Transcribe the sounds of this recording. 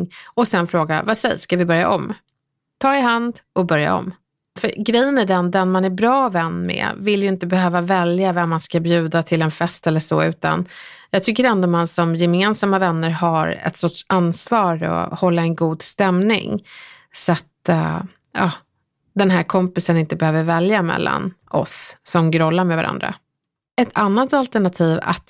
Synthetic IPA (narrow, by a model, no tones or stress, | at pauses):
ɔsɛnfɾoːɡa̰vasɛ̰jskavɪbœɾja̰ʔɔm | t̪ʰɑːɪɦand̪ɔbœɾja̰ɔ̰m | fœɾɡɾɛjːənæɖɛnd̪ɛnmanæɾbɾɑːvɛnːmɛ̰vɪljɵɪnt̪əbɛɦøːvavɛljavɛmːanskabjʉ̟ːd̪at̪ʰɪlɛnfɛst̪ɛlːəʂɔ̰ːʉ̟ːt̪a̰n | jɑːɡt̪ʰʏkːəɾɛnd̪ɔmansɔmjɛmeːnsamavɛnːəɾɦaɾɛ̰t̪sɔʈʂansvɑːɾɔ̰hɔlːaɛnɡuːd̪st̪ɛmnɪ̰ŋ | sat̪ | ɑː | d̪ɛnɦæːɾkʰɔmpɪsənɪnt̪əbɛhøːvəɾvɛljamɛ̰lːʔa̰nʔɔ̰sːɔmɡɾɔlːaɾmɛvaɾa̰nd̪ɾa̰ | ɛt̪ʰanːat̪alt̪əɳat̪ʰiːva̰t̪